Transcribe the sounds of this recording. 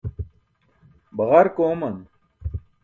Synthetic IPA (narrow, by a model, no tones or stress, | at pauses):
bɐɣɐɾkoːmɐn